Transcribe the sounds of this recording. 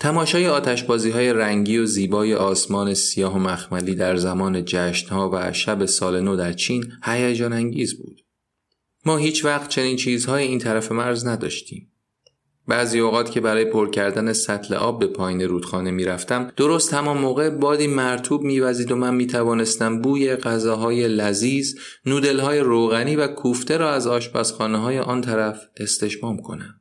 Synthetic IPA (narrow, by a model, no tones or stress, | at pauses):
t̪ʰæmɒːʃɒːjeɒːt̪ʰæʃbɒːziːɦɒːje̞ɾæŋɟiːoziːbɒːje̞ʔɒːsmɒːne̞sijɒːɦomæxmæliːd̪æɾzæmɒːne̞d͡ʒæʃnhɒːvæʃæbe̞sɒːle̞nod̪æɾt͡ʃʰiːnhæjæd͡ʒɒːnæŋɟiːzbṵːd̪̥ | mɒːɦiːt͡ʃʰvæxt̪̚t͡ʃʰe̞niːnt͡ʃʰiːzhɒːjeiːnt̪ʰæɾæfe̞mæɾznæd̪ɒ̰ːʃt̪ḭːm | bæːziːoɣɒːt̪cʰʲe̞bæɾɒːjepʰoɾcʰæɾd̪æne̞sæt̪ʰlḛʔɒːbːe̞pʰɒːjiːneɾuːd̪̥xɒːne̞miːɾæft̪æmd̪̥oɾost̪hæmɒnmoːɣe̞bɒːd̪iːmæɾt̪ʰuːbmiːvæziːd̪o̞mænmiːt̪ʰævɒːne̞st̪æmbuːje̞ɣæzɒːɦɒːje̞læziːz | nuːd̪e̞lhɒːje̞ɾoɣæniːvækʰuːft̪e̞ɾɒːæzɒːʃbæsxɒːneɦɒːjeʔɒnt̪ʰæɾæf | e̞st̪e̞ʃmɒːmkʰo̞̰næ̰m